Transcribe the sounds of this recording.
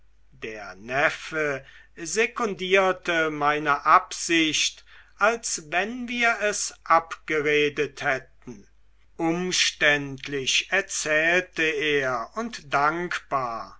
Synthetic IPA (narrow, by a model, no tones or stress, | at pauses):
d̥eːɐnɛfə | zekʊndiːɐtəmaɪnəʔapz̥ɪɕtʔalsvɛnviːɐɛsʔapɡ̥əʁeːdəthɛt̚n̩ | ʔʊmʃtɛntʰlɪʃɛɐt͡sɛːltəeːɐʊntdaŋkb̥aːɐ